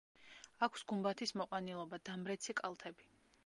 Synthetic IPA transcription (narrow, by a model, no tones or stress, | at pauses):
akʷʰsɡumbat̪ʰismɔqʼwanilˠɔbad̪amɾɛt̪sʰikʼalˠt̪ʰɛbi